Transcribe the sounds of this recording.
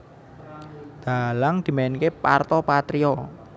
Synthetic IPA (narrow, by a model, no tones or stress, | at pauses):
d̪̥alaŋd̪̥i̤maɪnkepa̰rt̪ɔpat̪ɾiɔ